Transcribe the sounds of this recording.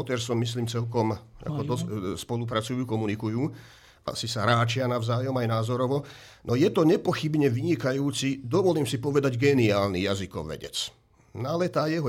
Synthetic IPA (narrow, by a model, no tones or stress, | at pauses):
ɔt̪ɛɾsɔmːis̬liːmt͡sɛlkɔma̰kɔd̪ɔspɔlup̬ɾat͡sujuːkɔmunikujuː | ʔa̰sisaɾaːt͡ʃɪanaʋzaːjɔmajnaːzɔɾɔʋɔ | nʔɔjɛt̪ɔɲɛpɔxibɲɛʋiɲikajuːt͡sid̪ɔʋɔliːmsipɔʋɛd̪aɟɡɛniaːlnijazikɔ̰ʋɛ̰ɟɛ̰t͡s | nalɛt̪aːjɛɦɔ